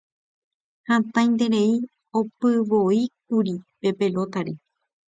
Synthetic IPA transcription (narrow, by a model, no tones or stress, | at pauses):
hãt̪ãj̃nd̪e̞ɾe̞i | opɨʋoik̚uɾipe̞pe̞lo̞t̪aɾi